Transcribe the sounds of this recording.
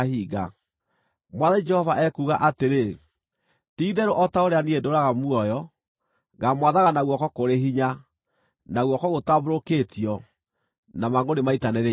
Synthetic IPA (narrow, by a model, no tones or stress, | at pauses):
hiːɡa̰ | mwaðaid͡ʒɛhɔvaʔɛkuɣaʔateɾe | tiːðɛɾoʔɔtaoɾeaniedoɾaɣamwɔjɔ | ɣɡamwaðaɣanaɣwɔkɔkoɾeɦiɲa | naɣwɔkɔɣotaβoɾokeːtiɔ | namaŋonemaitanɛɾe